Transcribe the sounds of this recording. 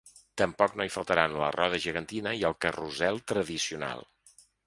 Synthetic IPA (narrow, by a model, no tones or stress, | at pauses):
t̪əmpɔknoifəlˠt̪əɾanlə̰rɔðəʒəɣənt̪inəiəlˠkəruzɛlˠt̪ɾəðisiuna̰lˠ